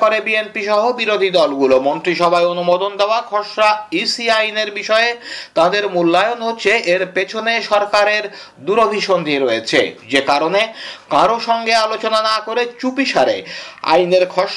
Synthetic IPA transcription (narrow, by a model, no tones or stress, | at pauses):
koɾebienpiʃɔɦobiɾod̪ʱid̪ɔlɡulomont̪ɾiʃɔbʱaeonumod̪ond̪eoakʰɔʃɾaisiajneɾbiʃɔet̪ãd̪eɾmulːaeonɦot͡ɕʰeʔeɾpet͡ɕʰoneʃɔɾkaɾeɾ | d̪uɾobʱiʃond̪ʱiɾoet͡ɕʰḛd͡ʑekaɾonekãɾoʃɔŋɡealot͡ɕonanakoɾet͡ɕupiʃaɾḛa̰jneɾkʰɔʃ